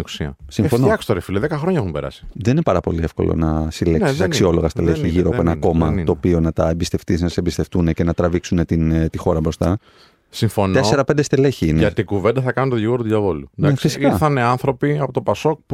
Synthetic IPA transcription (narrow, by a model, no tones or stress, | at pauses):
u̥siɐ̰simfonoɐkst̪oɾefiloðekɐxɾoɲɐexumbeɾɐ̰si̥ðe̞ninepɐɾɐpo̞̰liefko̞̰lo̞̰nɐsilesisɐksio̞lo̞ɣɐst̪eleçiʝiɾoɐpoenɐko̞mɐt̪o̞ːpio̞nɐt̪ɐembist̪e̞ft̪isnɐsembist̪e̞ft̪unece̞nɐt̪ɾɐviksune̞t̪int̪ixo̞ɾɐbɾo̞st̪ɐ | siɱfont̪ese̞ɾɐpe̞nd̪est̪eleçiineɐtt̪iɡuvend̪ɐθɐkɐnunt̪oʝiɣoɾt̪uðʝɐvo̞lunnefisikiɐθɐneɐnθɾo̞piɐpo̞t̪opɐso̞k̚p